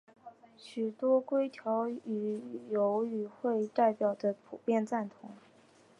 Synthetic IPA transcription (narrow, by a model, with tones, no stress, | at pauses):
ɕy˨˩t̪wɔ˥kwe˥ɪt̪ʰjɑ˧˥ʊy˨˩jo˧˥ʊy˨˩xwe˥˧ɪt̪a˥˩ɪpjɑ˨˩ʊd̪ə˦pʰu˨˩pjɛ˥˧nt͡sa˥˩nt̪ʰʊ̰˧˥ŋ